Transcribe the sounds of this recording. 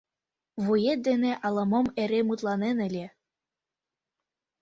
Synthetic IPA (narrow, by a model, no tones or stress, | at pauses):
βujet̪̚d̪eneʔɑlˠɤ̆mɤmeɾemut̪lˠɑnenɘ̆lʲe